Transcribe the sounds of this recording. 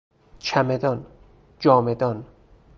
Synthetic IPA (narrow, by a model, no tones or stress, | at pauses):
t͡ʃʰæmed̪ɒn | d͡ʒɒːmed̪ɒn